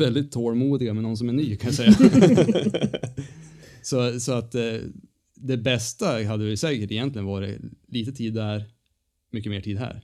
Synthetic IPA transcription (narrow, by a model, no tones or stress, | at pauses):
ɛld̪ɪt̪ʰːoːɭmuːd̪ɪɡamɛnɔns̬ɔmæɳyːkʰanjasɛjːa | sɔsɔat̪ | d̪ɛbɛst̪aɦad̪ːəɛsɛːkəʈɪjɛnt̪lɪənvɑːɾɪ̰liːt̪ət̪ʰiːd̪æɾ | mʏkːəmeːʈʰiːd̪ɦæ̰ːɾ